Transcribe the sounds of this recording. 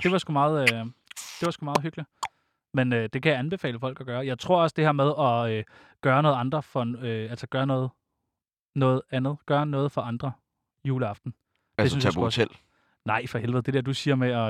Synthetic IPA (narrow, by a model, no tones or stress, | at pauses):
d̥e̝ʋɑ̈sɡ̥umɑ̈ːð̞̩ˠød̥e̝ʋɑsɡ̥umɑːð̩ˠɦyɡ̥li̥ | menød̥e̝kʰæjɑ̈ænb̥e̝fɛ̰ːləfɒ̽l̰ɡ̥ɒ̽ɡ̥ɶːɐjɑ̈ɪt͡sʰʁo̝ɐ̰ɒ̽sd̥e̝hɛɐmeð̞ˠɒ̽ø | ɡ̥ɶːɐnɔːð̩ˠɑ̈nd̥ʁɐfɒ̽øæl̰səɡ̥ɶːɐnɔ̽ːð̞̩ˠ | nɔ̽ːð̞̩ˠænð̞̩ˠɡ̥ɶːɐnɔ̽ːð̞̩ˠfɒ̽ʔɑ̈nd̥ʁɐ | juːləɑ̈fd̥n̩ | de̝syn̩jsɡut͡sʰel̰ | nɑ̈ɪfɒhelʋeð̩ˠded̥e̝ɐd̥usiːɐmeɒ̽